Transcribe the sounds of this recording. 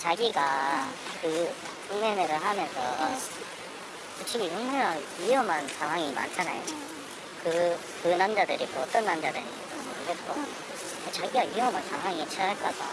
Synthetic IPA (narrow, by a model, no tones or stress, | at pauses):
t͡ɕaɡiɡa | kɯ | sʰuŋneneɾɯɭɦamjʌnsʰʌ̰ | kɯt͡ɕʰiɡit͡ɕʌŋmaaiʌmansaŋɦwaŋima̰nt͡ɕʰana̰jo̰ | kɯ | kɯnand͡ʑadɯɾimoʌt͈ʌnːand͡ʑadɯɾḭetamɾɯɡet̚k͈o | et͡ɕaɡiɡaijʌmansʰaŋɦwaŋit͡ɕʰaaɭk͈aɡa̰